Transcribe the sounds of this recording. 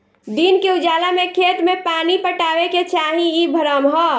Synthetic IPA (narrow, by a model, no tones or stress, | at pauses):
d̪inkeʊd͡ʒaːlamẽkʰet̪mẽpaːnipəʈaːweket͡ʃaːɦĩibʱəɾəmɦɔ